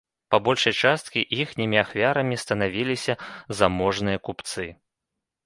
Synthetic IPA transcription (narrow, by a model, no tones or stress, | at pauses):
pabɔlʲʂɐjt͡ʂast̪̚kʲiʔixnʲimʲiaxvʲaɾɐmʲist̪ɐn̪avʲilʲisʲɐzamɔʐnɨjɐkupt̪sɨ